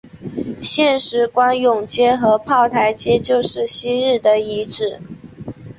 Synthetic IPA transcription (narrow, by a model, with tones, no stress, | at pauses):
ɕjɛ˥˩nʂɻ̩˧˥kwa˥njʊ˨˩ŋt͡ɕjɛ˥xɤ˧˥pʰɑ˥˩ʊt̪ʰa˧˥ɪt͡ɕjɛ˥t͡ɕjo˥˧ʊʂɻ̩˥˩ɕi˥ɻɻ̩˥˩d̪ə˩i˧˥ʈ͡ʂɻ̩˨˩